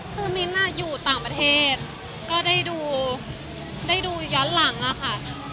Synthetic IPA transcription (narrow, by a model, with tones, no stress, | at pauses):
kʰɯː˧mi˦˥nʔa˧˥˩juː˨˩t̪aː˨˩ŋpɾa˧t̪ʰeː˥˩t̪̚ | kɔː˥˩daː˥˩jduː˧ | daː˥˩jduː˧jɔː˦˥nla˩˦ŋʔa˨˩xʰa˥˩